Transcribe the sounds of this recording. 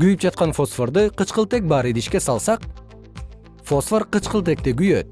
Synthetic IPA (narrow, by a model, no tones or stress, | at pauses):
ɡyjyp̚d͡ʒɑt̪̚qɑnfosfoɾd̪ɯqɯt͡ʃqɯlˠt̪e̞k̚bɑːɾɨd̪iʃke̞sɑlˠsɑq | fosforqɯt͡ʃqɯlˠt̪e̞k̚t̪eɡyjø̰t̪̚